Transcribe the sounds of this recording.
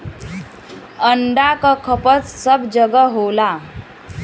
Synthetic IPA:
əɳɖakəkʰəpət͡ssəbd͡ʑəɡəɦola

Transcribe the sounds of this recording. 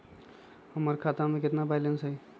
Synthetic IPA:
həməɾkʰat̪ameket̪nabajlensəj

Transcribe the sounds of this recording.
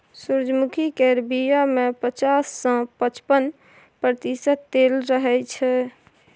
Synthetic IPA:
suɾd͡ʒmukʰikeɾbijamepət͡ʃasːə̃pət͡ʃpən | pɾət̪isəd̪elɾəɦɛt͡ʃʰɛ

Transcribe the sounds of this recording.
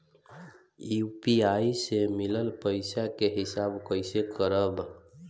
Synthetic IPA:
jupiaisemiləlpəɪsakeɦɪsabkəɪsekəɾəb

